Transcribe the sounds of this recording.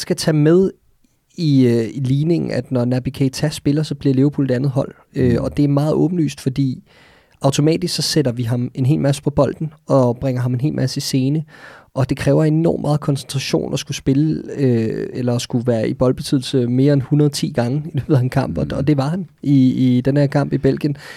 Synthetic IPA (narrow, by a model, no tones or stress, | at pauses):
sɡ̥æt͡sʰɛːmeð̞ˠ | iiliːne̝ŋŋ̩æd̥nɒnæb̥ikʰet͡sʰæsb̥e̝lɐsɒ̽b̥liɐle̝ʊɐpʰṵlde̥ænð̩ˠɦɒ̽l̰ | øɒ̽d̥e̝æɐmɑ̈ːð̞̩ˠɔ̽ːb̥n̩ly̰ːsd̥fɒ̽d̥ḭː | ʔɑ̈ʊt͡sʰo̝mɛ̰ːd̥isksɒ̽sed̥ɐʋiɦɑ̈me̝nɦe̝̰ːlmæsə̥pʰɒ̽b̥ɒ̽l̰d̥n̩ɒ̽b̥ʁɛŋ̰ɐɦhɑ̈me̝nɦe̝̰ːlmʔæsəise̝ːnəʔɒ̽d̥e̝kʰʁɛːʊɐe̝nɒ̰ːmːɑ̈ːð̞̩ˠkʰɒ̽nsent͡sʰʁɑ̈ɕo̝̰ːnɒ̽sɡ̥usb̥e̝ləøelɐsɡ̥uʋæːɐib̥ɒ̽lb̥e̝t͡sʰyðˠl̩səme̝ːɐenhunɐðˠt͡sʰḭːɡ̥ɑ̈ŋəd̥eʋeðˠhænkʰɑ̈m̰b̥ɒɒ̽d̥e̝ʋɑ̈ɦæniid̥enhæɐ̰kʰɑ̈m̰b̥ib̥elɡ̥jən